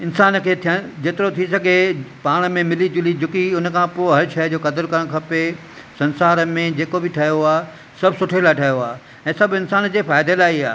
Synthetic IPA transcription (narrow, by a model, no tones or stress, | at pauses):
ɪnsaːnkʰeːt̪ʰijəd͡ʑeːt̪ɪɾot̪ʰisɐɡʱepaːɽ̃mẽmɪlid͡ʑʊlid͡ʑʊkiʊnkʰãpoːɪɦɐɾʃɐɦd͡ʑoːkɐd̪əɾkɐɾə̃ɽ̃kʰɐpe | sɐ̃nsaːɾəmẽd͡ʑeːkobɪʈʰɐɦijoaː | sɐbʱsʊʈʰelaʈʰɐɦjoaː | ɛ̃ːsɐbʱɪnsaːnd͡ʑeːfaːɪd̪ʱelaːiːa̰ː